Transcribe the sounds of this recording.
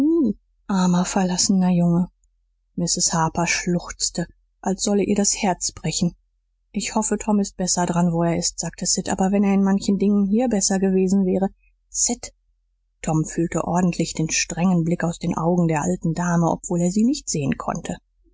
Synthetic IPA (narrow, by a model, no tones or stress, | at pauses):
ʔaɐmɐfɛɐlasənɐjʊŋə | mɪsɪshaːpɐʃlʊxt͡stə | ʔalsz̥ɔləʔiːɐɾashɛɐt͡sb̥ʁɛçn̩ | ʔɪçhɔfətʰɔmɪst̚b̥ɛsɐdʁanvoːeːɐɪstz̥aːk̚tʰəsɪtʔa̰ːbɐvɛneːɐɪnmançn̩dɪŋənɦiːɐbɛsɐɡəveːzn̩vɛːʁə | sɪt | tʰɔmfyːltə̰ʔɔɐdn̩tʰlɪçd̥eːnʃtʁ̥ɛŋənblɪkaʊsd̥eːnʔa̰ʊɡŋ̩deːɐʔaltn̩daːməʔɔ̰pv̥oːleːɐziːnɪçtz̥eːənkʰɔ̰ntʰə